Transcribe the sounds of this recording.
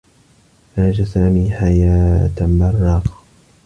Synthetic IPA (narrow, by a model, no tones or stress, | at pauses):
ʔaːd͡ʒasaːmiːħajaːt̪mɑrˤːɑːq